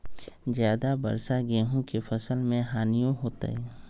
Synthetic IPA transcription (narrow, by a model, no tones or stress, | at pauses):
zjaːd̪abɐ̰ɾsaɡeːɦõkefɐsəlmẽɦaːnijõɦoːt̪a̰ɦɛː